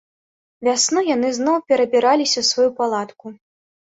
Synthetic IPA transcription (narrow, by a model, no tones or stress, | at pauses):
vʲasnɔjanɨznɔwpʲɛɾɐbʲiɾalʲisʲɐsvajupalˠat̪ku